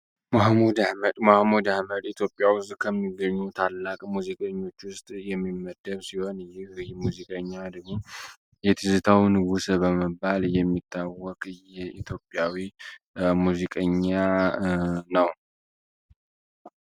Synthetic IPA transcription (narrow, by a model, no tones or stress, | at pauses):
mahmud̪aməd̪mahmud̪ahməd̪it̪ʰjo̞pʼːjawʊst̪ʼkʰəmːiɡəɲːut̪ʰalːakʼmuzikʼəɲːo̞t͡ʃːwʊst̪ʼjɛmːimːəd̪əβsiho̞nɨjːɪhɨjmuzikʼəɲːad̪əɡmo̞ | jɛt̪ʰɨzɨt̪ʰawnɨɡusbəməbːaljɛmːit̪ʰːawːɔkʼjɛit̪ʰjo̞pʼjawi | muzikʼəɲːa | nəw